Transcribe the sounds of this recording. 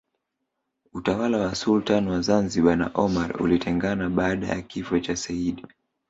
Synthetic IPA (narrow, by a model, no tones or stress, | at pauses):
utawalawasultanwazanziɓana̰ʔɔmaɾṵlitʰɛŋɡanaɓaːɗa̰ja̰kifɔt͡ʃasaiɗi